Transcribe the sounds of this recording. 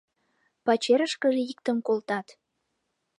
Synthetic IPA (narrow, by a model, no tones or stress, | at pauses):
pɑt͡ɕeɾəʃkəʒeik̚t̪ənkolt̪ɑt̪